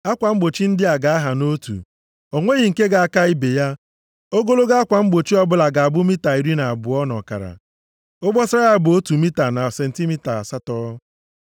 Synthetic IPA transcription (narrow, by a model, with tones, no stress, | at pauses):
a˦kʷa˨m̩˦ɡ͡bo˨t͡ʃi˦n̩˦dɪ˦a˨ɡa˨a˦ɦa˨no˦tṵ˨ | ɔ˨ŋʷe˦ɣi˨ŋ̩˨ke˦ɡa˨a˦˨ka˦i˦be˨ja˦ | o˦ɡo˦lo˦ɡa˦a˦kʷa˨m̩˦ɡ͡bo˨t͡ʃi˦ɔ˦bʊ˦la˨ɡa˨a˨bʊ˦mi˦ta˨i˨ɾi˦na˨a˨bʊ˨ɔ˦nɔ̰˨ka̰˨ɾa̰˨ | o˦bɔ˦sa˦ja˦˨bʊ˨o˦tu˨mi˦ta˨na˨se˨n̩˨ti˦mi˦ta˨a˨sa˦tɔ˦